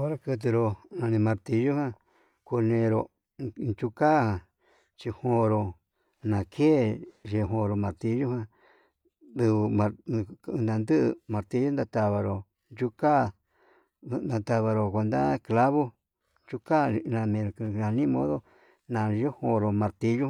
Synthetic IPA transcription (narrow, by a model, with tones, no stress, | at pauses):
o˦ɾa˦kɨ˧t̪̬ɨ˧ɾo˧˨nã˧nĩ˧mã˧ɾt̪i˧ʒo˦hã˦ | ku˧nẽ˧ɾo˧ | nt͡ʃu˧ka˦hã˧ | t͡ʃi˧hõ˧ɾo˧ | nã˨kʰe˦ʒe˧˨ɦõ˧ɾo˨mã˨˧ɾt̪i˧˦ʒo˦hã˦˧ | d̪u˧mã˧nnã˧nd̪ɨ˦ʔmã˨˧ɾt̪i˧˦o˦nd̪a˧t̪a˧βa˧ɾo˨ | nd͡ʒu˦ka˦˨˧ | ã˧t̪a˧βa˧ɾo˨ko˧nd̪a̰˦˧kla˦βo˦ | nt͡ʃu˧ka˦˧nã˧mẽ˧ɾo˨knã˨˧nĩ˦mõ˦ðo˦ | nã˨˧jo˦hõ˧ɾo˨mã˧ɾt̪i˧ʒu˦